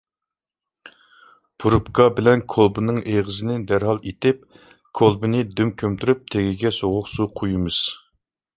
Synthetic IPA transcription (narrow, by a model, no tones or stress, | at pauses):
pʰuɾupkɑbɪlɛnkʰolˠbɨnɨŋeʁəzɪnɪd̪æɾɦɑlˠet̪ɪp̚ | kʰolˠbɨnɨd̪ymkʲʰømt̪ʰyɾyp̚t̪ʰeɡʲiɡʲɛsoʁʊqsuqʰojimɨz̥